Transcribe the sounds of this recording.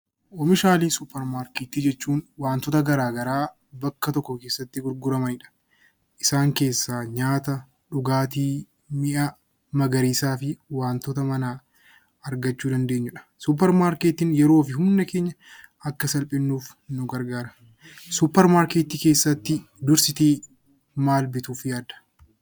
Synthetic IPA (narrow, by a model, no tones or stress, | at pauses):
ʔɔmɪʃaːliːsʊpːɛɾmaːɾkeːt̪ːiːd͡ʒɛt͡ʃːuːnwaːnt̪ɔt̪ɐɡɐɾaːɡɐɾaː | bɐkːɐt̪ɔkːɔke̞ːsːɐt̪ːɪɡʊɾɡʊɾɐmɐnɪᶑɐ̥ | ʔɪsaːŋke̞ːsːaːɲaːt̪ɐ | ᶑʊɡaːt̪iː | mɪʔɐ | mɐɡɐɾiːsaːfɪwaːnt̪ɔt̪ɐmɐnaː | ɐɾɡɐt͡ʃːuːd̪ɐnd̪e̞ːɲːʊᶑɐ̥sʊp̬ːɛɾmaːɾkeːt̪ɪnjɛɾoːfɪɦʊnːɐke̞ːɲːɐ | ɐkːɐsɐlpʼɪnːuːf | nʊɡɐɾɡaːɾɐ̥ | sʊpːɛɾmaːɾkeːt̪ike̞ːsːɐt̪ːɪ | d̪ʊɾsɪt̪iː | maːlbɪt̪uːfjaːd̪ɐ̥